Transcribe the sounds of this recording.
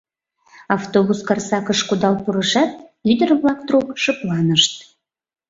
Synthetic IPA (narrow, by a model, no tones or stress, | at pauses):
ɑft̪oβuskɑrsɑkəʃkud̪ɑlpuɾəʃɑt̪̚yd̪ərβlɑk̚t̪ɾukʃəplɑnəʃt̪̚